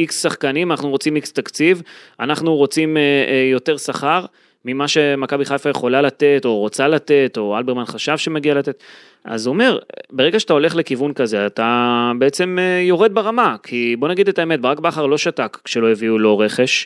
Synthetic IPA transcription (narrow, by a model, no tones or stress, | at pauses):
iksːaχkanimanaχnuʁo̞t͡simikst̪akt͡sivanaχnuʁo̞t͡simjo̞te̞ʁsaχaʁ | mimaʃe̞makabiχajfaje̞χo̞lalat̪e̞to̞ʁot͡salat̪e̞to̞albeʁmanχaʃavʃe̞meɡialat̪e̞t̪ | ʔa̰zuome̞ʁbe̞ʁeɡaʃeat̪ao̞le̞χle̞kivunkaze̞at̪abeet͡se̞mejo̞ʁed̪̚beʁamakʰibo̞naɡid̪et̪aeme̞t̪̚beʁakbaχaʁlo̞ʃatakkʃe̞lo̞jeviulo̞ʁe̞χe̞ʃ